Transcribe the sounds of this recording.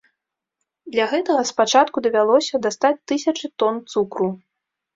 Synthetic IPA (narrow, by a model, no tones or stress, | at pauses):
d̪lʲɐɣɛt̪ɐɣɐspat͡ʂat̪kud̪ɐvʲalˠɔsʲɐd̪ast̪at͡sʲt̪ɨsʲɐt͡ʂɨt̪ɔnt̪sukɾu